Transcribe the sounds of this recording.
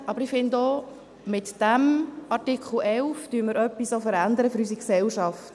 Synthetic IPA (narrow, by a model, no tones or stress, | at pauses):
ɑbəɾɪfɪndo | mɪt̪d̥æmɑɾtɪkχl̩ʔɛlftyənməɾœpːisofəɾænd̪əɾəfʏɾysiksɛlʃɑft